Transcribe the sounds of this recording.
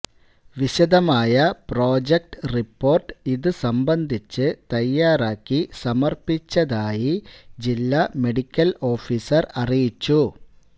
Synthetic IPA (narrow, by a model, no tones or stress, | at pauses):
ʋiɕɐd̪ɐmaːjɐpro̞ːd͡ʑek̚ʈɨripːo̞ːrʈiðɨsɐmbɐnd̪ʱit͡ɕːɨt̪ɐjːaːraːkːisɐmɐrpit͡ɕːɐðaːjid͡ʑilːɐme̞ɽikʲːɐlo̞ːfiːsɐrɐrijit͡ɕːu